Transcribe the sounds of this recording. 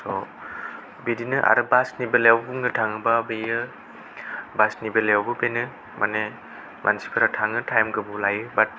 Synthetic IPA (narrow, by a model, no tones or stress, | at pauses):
sɔ | bedinɯʔa̰ɾɯbasnibelejawbuŋnɯtʰaŋɯbabejɯ | basnibelejawbɯbenɯ | mʔane | mʔa̰nsi̥pʰaɾatʰaŋɯtʰajmɡɯbulajɯbat̚